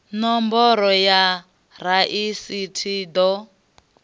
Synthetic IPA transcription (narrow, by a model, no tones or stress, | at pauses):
nɔmbɔɾɔja | ɾaʔisitʰid̪ɔ